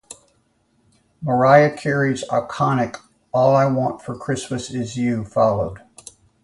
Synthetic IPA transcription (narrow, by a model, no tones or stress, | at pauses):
mə˞aɪɨkʰɛɹiza̰ɪkʰɑnɨk | ɔlˠaɪwɑ̃ntfə˞kʰɹ̥ɪsmɨsɪzjʉfɑlˠoʊd̥